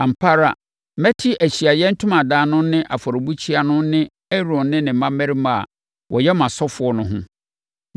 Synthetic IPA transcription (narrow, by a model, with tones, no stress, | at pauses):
ã˨m̩˨pʰa˦ɾa̰˨ | mɛ˦tʰi˦ʔæ˨ɕi˨a˨jɛ˦n̩˦tʰʊ̃˦mã˨daː˨nʊ̃˦nɪ̃˦ʔa˨fɔ˨ɾɔ˨bu˦t͡ɕʰi˦a˨nʊ̃˦nɪ̃˦ | ɛ˦ɾɔ̃˨nnɪ̃˦nɪ̃˨m̩˦mã˦mɛ˦ɾi˦mã̰˨ | wʔɔ̰˨jɛ˦mã˨sɔ˦fʊ˨ɔ˦nʊ̃˦ɦʊ̃˦